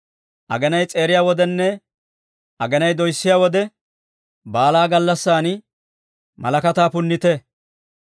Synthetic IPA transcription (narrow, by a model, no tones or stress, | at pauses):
ʔɐ̰ɡɛnɐjt͡sʼe̞ːɾɪjaːwɔd̪ɛnːɛ | ʔɐɡɛnɐjd̪ɔjsːɪjaːwɔd̪ɛ | baːlaːɡɐlːɐsːaːnɪ | mɐ̰lɐkɐt̪aːpʊnːɪt̪ɛ